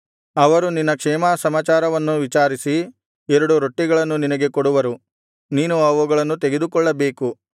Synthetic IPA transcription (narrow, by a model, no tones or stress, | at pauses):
ɐʋɐɾuninːɐkʂɛːmaːsɐmaːt͡ʃaːɾɐʋɐnːuʋit͡ʃaːɾisi | ɛɾɐɽuɾo̞ʈːiɡɐɭɐnːuninɐɡe̞koɽuʋɐɾu | niːnuɐʋuɡɐɭɐnːut̪eɡe̞d̪ukɔɭːɐbe̞ːku